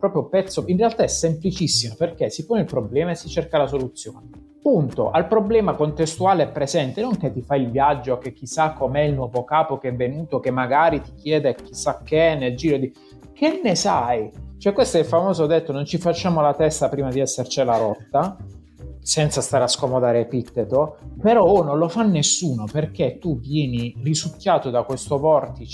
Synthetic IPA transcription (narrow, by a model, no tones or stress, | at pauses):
pɾɔːpɾjopɛt̪sːoinrealt̪aɛsːemplit͡ʃisːimoperkesipoːneilpɾoblɛːmaesːit͡ʃerkalasolut̪sːjoːne | punt̪o̰ʔalpɾoblɛːmakont̪est̪uaːleɛpːɾezɛnt̪enoŋket̪ːifailvjad͡ʒːok̟ek̟ːisːakːomɛilnwɔːvokaːpokeɛvːenuːt̪okemːaɡaːɾit̪i̥k̟jɛːd̪ek̟ːisːakːenːeld͡ʒiːɾod̪i | kenːesajt͡ʃoɛkwest̪oɛlfamoːzoad̪et̪ːonont͡ʃifat͡ʃːaːmolat̪ɛst̪apɾiːmad̪iɛsːert͡ʃelaɾɔt̪ːa | sɛnt̪sast̪aːɾaskomod̪aːɾeepit̪ːet̪opeɾɔnõnlofanːesːuːnoperket̪ːuvjɛːnirizukjaːt̪od̪akwest̪ovɔrt̪i